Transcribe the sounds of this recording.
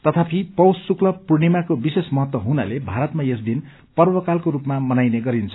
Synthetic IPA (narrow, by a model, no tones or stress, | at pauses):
t̪ʌt̪ʰapʰipʌwssuklʌpurnimakobisesmʌɦʌt̪wʌɦuna̰lebʱaɾʌt̪majesd̪in | pʌrbʌkalkoɾupmamʌnajneɡʌɾint͡sʰʌ̥